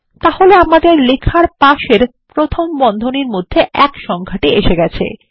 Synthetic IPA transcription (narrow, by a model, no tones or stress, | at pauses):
t̪aholeamad̪eɾlekʰaɾpaʃeɾ | pɾot̪ʰombɔnd̪ʱoniɾmod̪ʱːeʔɛkʃɔŋkʰaʈieʃeɡɛt͡ɕʰḛ